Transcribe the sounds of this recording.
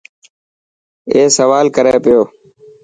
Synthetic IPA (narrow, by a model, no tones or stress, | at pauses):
eːsəʋaːlkəɾeːpɪjoː